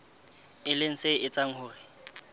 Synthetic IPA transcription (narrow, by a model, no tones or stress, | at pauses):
ɪlɪŋ̩seɪt͡sʼaŋ̩hʊːrɪ